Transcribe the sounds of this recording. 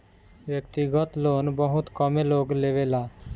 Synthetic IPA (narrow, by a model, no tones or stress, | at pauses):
ʋjəkt̪iɡət̪loːnbəɦʊt̪kɔmeloːɡleːʋelaː